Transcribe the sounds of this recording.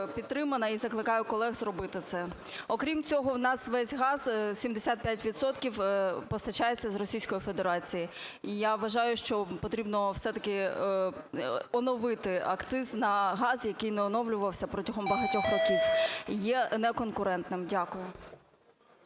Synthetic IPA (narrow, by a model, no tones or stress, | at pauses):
pʲit̪t̪ːɾɪmɐnɐizɐklˠɪkɑjʊkɔlˠɛɣzrɔbɪt̪ɪt̪sɛ | ɔkɾʲimt͡sʲɔɦɔwnɑsʋɛsʲɦɑz̥sʲimd̪esʲat̪̚pʲjatʲʋʲid̪sɔt̪kʲiwpɔst̪ɐt͡ʃajet͡sʲːɐzrɔsʲijsʲkɔjife̞d̪eɾɑt͡sʲijiijaʋːɐʒɑjʊʃt͡ʃɔpɔt̪ɾʲibnɔwsɛt̪ɐkɪ | ɔnɔʋɪt̪ɪɐkt̪sɪznɐɦɑzjɐkɪjnɛɔnɔʋlʲʊʋɐwsʲɐpɾɔtʲɐɦɔmbɐɦɐtʲɔxrɔkʲiwjɛnɛkɔnkʊɾɛnt̪nɪmdʲakʊjʊ